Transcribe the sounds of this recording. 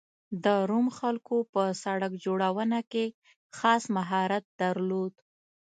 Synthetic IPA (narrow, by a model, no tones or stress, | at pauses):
d̪əɾumxalkopəsaɽakd͡ʒoɽawənake | xɑsmaɦɑɾat̪̚d̪aɾlod̪